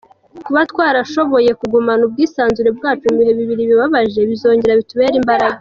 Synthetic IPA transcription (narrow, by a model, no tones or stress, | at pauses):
kuβatkwaːɾaʃo̞βo̞je̞kuɡumanub̚ɡiːsaːnzuɾe̞b̚ɡaːt͡ʃumβihe̞βiβiɾiβiβaβaʒe̞βizo̞ːɲɟe̞ɾaβituβe̞ːɾimbaɾaɡa